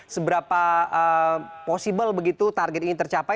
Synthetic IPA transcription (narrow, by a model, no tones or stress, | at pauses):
səbəɾapaəposibəlbəɡit̪ut̪arɡɛt̪init̪ərt͡ʃapa